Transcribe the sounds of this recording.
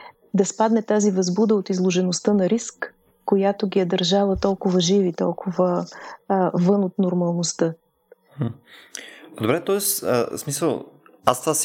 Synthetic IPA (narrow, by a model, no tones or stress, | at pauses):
d̪ɐspad̪nɛt̪azivɐzbud̪əot̪izlˠoʒɛnost̪ənɐɾiskː | ojat̪oɡʲijɐd̪ɐɾʒavət̪ɔlˠkʊvəʒivit̪ɔ̰lˠkʰʊvə | vɤnot̪noɾmɐlˠnost̪ɤ | d̪obɾɛt̪ɔɛssmisəlˠa̰st̪vas